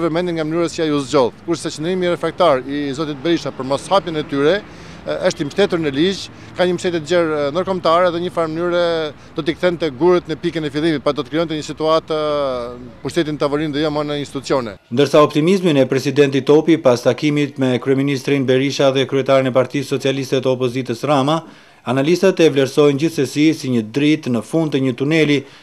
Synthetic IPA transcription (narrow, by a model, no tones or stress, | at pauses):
vɛmɛnd̪iŋɡamnyɾɛsiajuzd͡ʑɔlkuɾsɛt͡ʃənd̪ɾimiɾɛfɾak̚t̪aɾizɔt̪it̪̚bɛɾiʃapəɾmɔshapjɛnɛt̪yɾɛ | əʃt̪iməʃt̪ɛt̪uɾnəlid͡ʒ | kaɲəməʃt̪ɛt̪ɛt̪əd͡ʑɛɾnd̪əɾkɔmt̪aɾɛaðɛɲəfaɾmənyɾɛ | d̪̥ɔt̪ikθɛnt̪ɛɡuɾət̪nəpikɛnɛfilˠimit̪̚pɾad̪ɔt̪əkɾiɔnt̪ɛɲəsit̪uat̪ | puʃt̪ɛt̪inət̪avɔɾinðɛjɔmɔnəinst̪it̪ut͡sijɔnɛnd̪əɾsaɔpt̪imizminɛpɾɛsid̪ɛnt̪it̪ɔpipast̪akimit̪mɛkɾyɛminist̪ɾinbɛɾiʃaðɛkɾyɛt̪aɾinɛpaɾt̪isːɔt͡sialist̪ət̪əɔpɔzit̪əsrama | analist̪ət̪ɛvlɛɾsɔjnd͡ʑiθəsisiɲəd̪ɾit̪nəfund̪t̪əɲət̪unɛli